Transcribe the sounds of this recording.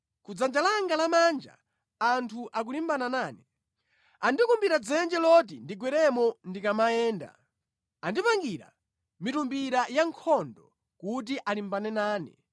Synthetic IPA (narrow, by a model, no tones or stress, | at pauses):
kud͡zand͡ʒalaŋɡalamand͡ʒa̰ | antʰuʔak̬ulimbananaːni | andikumbiɾad͡zɛnd͡ʒɛlɔt̬indiɡwɛɾɛmɔndikamajɛːnda̰ | andipaŋɡiɾa̰ | mitumbiɾajaŋkʰɔndɔ | kut̬iʔalimbanɛnaːnɛ̰